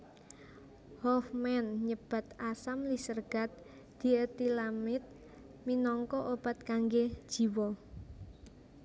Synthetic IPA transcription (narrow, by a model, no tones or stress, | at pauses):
hɔfmɛnɲəb̥a̤t̪asamlisərɡ̥a̤t̪̚ | d̪̥i̤ət̪ilamɪt̪̚ | minɔŋkɔʔob̥a̤t̪̚kaŋɡed̥ʒ̥i̤wɔ